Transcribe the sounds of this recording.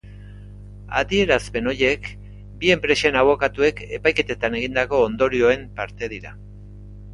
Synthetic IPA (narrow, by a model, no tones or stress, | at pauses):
a̰ðie̞ɾazpe̞no̞je̞k | bie̞mpɾe̞senaβ̞o̞kat̪ue̞ke̞pajke̞t̪et̪ane̞ɣind̪ako̞ːnd̪o̞ɾio̞e̞mpaɾt̪e̞ðiɾa